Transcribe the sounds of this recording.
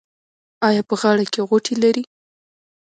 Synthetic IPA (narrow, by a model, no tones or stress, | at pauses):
ɑjɑpəɣɑɽakeɣoʈʰelaɾi